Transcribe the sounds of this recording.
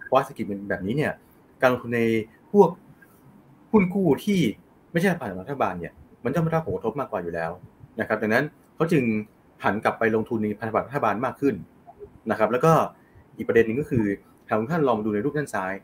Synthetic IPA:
pʰɔ˦wa˦˥sʰi˨˩t̪̚bɛː˨˩p̚niː˦˥ni˥˩ɐ | kaː˧lo˧ŋt̪ʰu˧nːa˧j | pʰu˥˩ək̚ | huː˥˩nkʰuː˥˩t̪ʰiː˥˩ | ma˥˩jʰa˥˩ɾa˥pʰaː˨˩kːɔ˨˧˦a˥t̪ʰa˧baː˧ni˥˩ɐma˧nt͡ɕa˥˩m˥˩ɾa˥pʰːo˩˦kt̪ʰo˦˥p̚maː˥˩kwaː˨˩juː˨˩lɛː˦˥wna˦˥kʰa˦˥da˨˩ŋna˦˥n | kʰa˦˥wt͡ɕɯ˧ŋ | hʰa˩˦nkla˨˩pːa˧jlo˧ŋt̪ʰu˧nːa˧pʰa˧t̪ʰa˧b̪̚ɾʰa˧baː˧nmaː˥˩kʰːɯ˥˩n | na˦˥kʰa˦˥plɛː˦˥wkɔː˥˩ | ʔiː˨˩k̚pɾa˧de˧nːɯ˨ŋkɔː˥˩kʰɯː˧ | t̪ʰaː˨˩k̪ʰu˧˦ŋt̪ʰa˥˩nlɔː˧ma˧duː˧na˧jɾuː˥˩p̚na˥˩nsaː˦˥j

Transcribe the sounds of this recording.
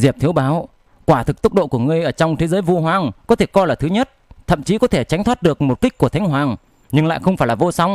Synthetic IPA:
zi˨˩əp̚t̪ʰi˨˦əwɓaː˨˦w | kwaː˧˩t̪ʰɨ˨˩k̚t̪ʊ˦˥k͡p̚ɗo̰˧˨ku˧˩əŋɨ˧˩əjʔəː˧˩t͡ɕɔ˧wŋ͡mt̪ʰe˨˦zəː˨˦jvu˧ɦwaː˨˦ŋkɔ˨˦t̪ʰe˧˩kɔ˧jlaː˨˩t̪ʰɨ˨˦ɲə˦˥t̚t̪ʰə̰˧˨mt͡ɕi˨˦kɔ˨˦t̪ʰe˧˩t͡ɕa˨˦jŋ̟t̪waː˦˥t̚ɗɨ˨˩ək̚mo˨˩t̚ki˦˥k̟̚ku˧˩ət̪ʰŋ̟ɦwaː˨˩ŋ | ɲɨ˧ŋla̰ː˧˨jxə˧wŋ͡mfaː˧˩jlaː˨˩o˧sa˨˦wŋ͡m

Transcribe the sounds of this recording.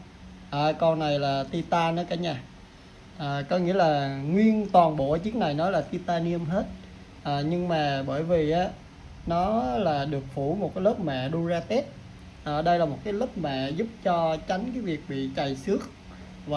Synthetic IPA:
ʔaː˨˩kɔ˧na˨˩jlaː˨˩t̪i˧t̪aː˧nɔ˨˦ka˨˦ɲaː˧ | ʔəː˨˩kɔ˨˦ŋḭ˧˥əlaː˨˩ŋwi˧ənt̪wɔ˨˩nɓo˧˩˨t͡ɕɨ˨˦əŋna˨˩jnɔ˨˦laː˨˩t̪i˧t̪aː˧ni˧əmɦe˦˥t̚ | ʔəː˨˩ɲɨ˧ŋmaː˨˩ɓəː˧˩jvi˨˩ʔaː˨˦ | nɔ˨˦laː˨˩ɗɨ˨˩ək̚fu˧˩˦mo˨˩t̚kaː˨˦lə˦˥p̚mɛ̰˧˨ɗu˧əzaː˧t̪e˦˥t̚ | ʔəː˨˩ɗə˧jlaː˨˩mo˨˩t̚kaː˨˦jlə˦˥p̚mɛ̰˧˨zu˦˥p̚t͡ɕɔ˧t͡ɕa˨˦jŋ̟kaː˨˦jvi˨˩ək̚ɓḭ˧˨t͡ɕa˨˩jsɨ˦˥ək̚ | vaː˨˩

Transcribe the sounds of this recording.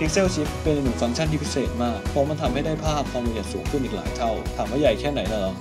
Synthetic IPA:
t̪ʰi˦˥k̚se˥˩wt͡ɕʰi˦˥p̚ːe˧nla˧nɯ˨˩˦ŋfa˧ŋt͡ɕʰa˥˩nt̪ʰiː˦˧pʰi˦˥seː˨˩t̪̚maː˥˩k̚pʰɔː˧˥ma˧nt̪ʰa˧mha˥˩jdaː˥˩pʰaː˥˩p̚kʰaː˧ma˧ja˨˩t̪̚suː˩˦ŋkʰɯ˥˩˨ʔiː˨˩k̚laː˨˩˦jt̪ʰa˥˩wtt̪ʰaː˨˩˦mːhaː˦˥˩ja˨˩jkʰɛː˥˩na˩˦jna˧˩la˧˥

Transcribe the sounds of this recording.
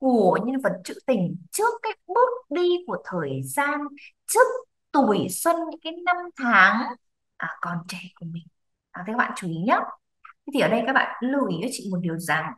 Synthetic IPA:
ku˧˩əəɲə˧nvə˨˩t̚t͡ɕɨ̰˧˥t̪ï˨˩ŋ̟t͡ɕɨ˦˥əkːaː˨˦˥jk̚ɓɨ˦˥ək̚ɗi˧ku˧˩ət̪ʰəː˨˩jzaː˧n | t͡ɕɨ˦˥ək̚ | t̪u˧˩əjswə˧n˧˦kaː˨˦jna˧mt̪ʰaː˨˦ŋ | ʔəː˨˩kɔ˨˩nt͡ɕɛ˧˨ku˧˩əmï˨˩ŋ̟ | aː˨˩a˨kaː˦˥ɓa̰ː˧˨˧t͡ɕu˨˧˦ʔi˨˦ɲaː˨˦ | t̪ʰi˧˦t̪i˨˩əː˨˩ɗə˧jkaː˦˥k̚ɓa̰ː˧˨nlu˧˩ʔi˨˦ə˨˦t͡ɕḭ˧˨mo˨˩t̚ɗi˨˩əwza˨˩ŋ

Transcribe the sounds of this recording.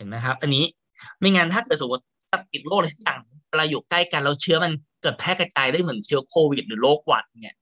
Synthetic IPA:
e˨˩˦nma˦˥jkʰa˦˥p̚ʔa˧nːiː˦˥ | miː˧ŋaː˧nt̪ʰaː˥˩kɤː˨˩t̪̚su˨˩˦a˧˦˥ | ta˧˩ti˨˩t̪̚loː˥˩k̚la˧sʰa˦˥k̚jaː˨˩ŋwa˧laː˧juː˨˩kla˥˩jka˧nlɛ˦˥wt͡ɕʰɯ˦˥ɐma˧nkɤː˨˩t̪̚pʰɛː˥˩ka˧t͡ɕaː˧jda˥˩jmɯ˩˦nt͡ɕʰɯ˦˥ɐkʰoː˧wi˨˩t̪̚ɾɯː˩˦loː˥˩k̚ːwa̰ː˨˩t̪̚ːni˦˥ɐ

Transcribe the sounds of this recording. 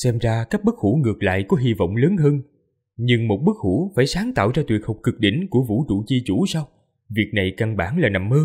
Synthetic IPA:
sɛ˧mzaː˧kaː˦˥k̚ɓə˦˥k̚hu˧˩ŋɨ˨˩ək̚la̰ː˧˨jkɔ˨˦ɦi˧və̰˧˨wŋ͡mləː˨˦nɦəː˧n | ɲɨ˧ŋmo˨˩t̚ɓə˦˥k̚hu˧˩faː˧˩jsaː˨˦ŋt̪a̰ː˧˨wzaː˧t̪wi˨˩ət̚hə˨˩wk͡p̚kɨ˨˩k̚ɗḭ˧˩ŋ̟ku˧˩əvṵ˧˥t͡ɕu˧˩t͡ɕi˧t͡ɕu˧˩˦sa˧w | vi˨˩ək̚na˨˩jka˧˩nɓaː˧˩nlaː˨˩na˨˩mːəː˧

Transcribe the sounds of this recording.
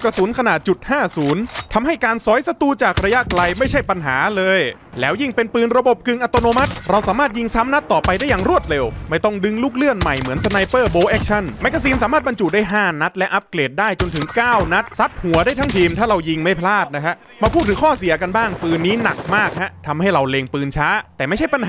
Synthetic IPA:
kɾa˧suː˨˩˦nkʰa˧naː˨˩t̪̚t͡ɕu˨˩t̪̚haː˥˩suː˩˦nt̪ʰa˧mha˥˩jkaː˧nsɔː˨˦˥jsa˧t̪uː˧t͡ɕaː˨˩k̚ɾa˧ja˦˥ʔkla˧jma˥˩jt͡ɕʰa˥˩jpa˧nɦaː˩˦lɤː˧j | lɛː˦˥wji˥˩ŋpe˧npɯː˧nɾa˧bo˨˩p̚kɯ˧ŋʔa˧t̪oː˧noː˧ma˦˥t̪̚ɾa˧wsaː˩˦maː˥˩t̪̚ji˧ŋsa˦˥mna˦˥t̪ːɔː˨˩pa˧jdaː˥˩jaː˨˩ŋɾu˧˥˩ət̪̚le˧wma˥˩jt̪ɔ˥˩ŋdɯ˧˥ŋluː˥˩k̚lɯ˥˩ənma˨˩jmɯ˩˦ənsa˧na˧jpɤː˥˩boː˧ʔɛː˦˥k̚t͡ɕʰa˥˩nma˦˥kːa˧siː˧nsaː˦maː˥˩t̪̚ba˧nt͡ɕuː˨˩t̪̚daː˥˩jɦaː˥˩na˦˥t̪̚lɛ˦˥ʔa˦˥p̚kleː˨˩t̪̚daː˥˩jt͡ɕo˧nt̪ʰɯ˩˦ŋkaː˥˩wna˦˥t̪̚sa˦˥t̪̚hu˩˦ɐdaː˥˩jt̪ʰa˦˥ŋt̪ʰiː˧mt̪ʰaː˥˩ɾa˧wji˧ŋma˥˩jpʰlaː˥˩t̪̚na˦˥kʰa˦˥ʔ | maː˧pʰuː˥˩t̪̚ʰːɯː˩˦kʰɔː˥˩si˩˦ɐka˧nbaː˥˩ŋpɯː˧nːiː˦˥na˨˩k̚maː˥˩k̚ha˦˥t̪ʰa˧mha˥˩jɾa˧wleː˧ŋpɯː˧nt͡ɕʰaː˦˥t̪ɛː˨˩ma˥˩jt͡ɕʰa˥˩jpa˧n

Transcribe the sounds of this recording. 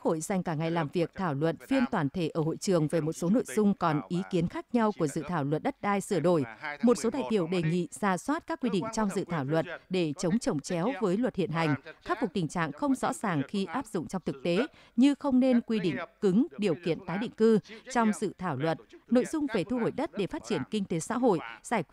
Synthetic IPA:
kho̰˧˨jza˨˩jŋ̟kaː˧˩ŋa˨˩jlaː˨˩mvi˨˩ək̚t̪ʰaː˧˩wlwə˨˩t̚fi˧ənt̪waː˧˩nt̪ʰe˧˩ʔəː˧˩ho̰˧˨jt͡ɕɨ˨˩əŋve˨˩mo˨˩t̚so˨˦no̰˧˨jz̥ʊ˧ŋ͡mkɔ˨˩nʔi˨˦ki˨˦ənxaː˦˥k̚ɲa˧wku˧˩əsɨ̰˧˨t̪ʰaː˧˩wlwə˨˩t̚ɗə˦˥t̚ɗaː˧jsɨ˧˩əɗo˧˩jmo˨˩t̚so˨˦ɗa̰ː˧˨jɗi˧˩əwɗe˨˩ŋḭ˧˨z̥aː˧˩swaː˦˥t̚kaː˦˥kːwi˧ɗḭ˧˨ŋ̟t͡ɕɔ˧wŋ͡mzɨ̰˧˨t̪ʰaː˧˩wlwə˨˩t̚ɗe˧˩t͡ɕə˨˦wŋ͡mt͡ɕə˨˩wŋ͡mt͡ɕɛ˨˦wvəː˨˦jlwə˨˩t̚hḭ˧˨ənɦa˨˩jŋ̟kaː˦˥k̚vʊ˨˩k̚t̪ï˨˩ŋ̟t͡ɕa̰ː˧˨ŋxə˧wŋ͡mzɔ̰˧˥zaː˨˩ŋxi˧ʔaː˦˥p̚z̥ʊ̰˧˨ŋ͡mt͡ɕɔ˧wŋ͡mt̪ʰɨ˨˩k̚t̪e˨˦ | ɲɨ˧xə˧wŋ͡mne˧nkwi˧ɗḭ̈˧˨ŋ̟kɨ˨˦ŋɗi˨˩əwkḭ˧˨ənt̪aː˨˦jɗḭ˧˨ŋ̟kɨ˧t͡ɕɔ˧wŋ͡mzɨ̰˧˨t̪ʰaː˧˩wlwə˨˩t̚no̰˧˨jzʊ˧ŋ͡mve˨˩t̪ʰu˧ɦo˧˩jɗə˦˥t̚ɗe˧˩faː˦˥t̚t͡ɕi˧˩ənkï˧ŋ̟t̪e˨˦sa̰ː˧˥ɦo̰˧˨jzaː˧˩j

